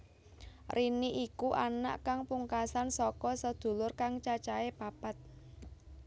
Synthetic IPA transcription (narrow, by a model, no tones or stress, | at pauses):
rʔiniʔikuʔana̰ʔkaŋpuŋkasansɔkɔsəd̪̥ṳlʊrkaŋt͡ʃat͡ʃaepapat̪̚